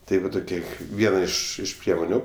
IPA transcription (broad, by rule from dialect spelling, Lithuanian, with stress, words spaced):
ˈtɐɪ ʋɐ ˈtoːkʲiɛ ˈʋʲiɛnɐ ˈɪʃ ɪʃ ˈpʲrʲiɛmoːnʲʊ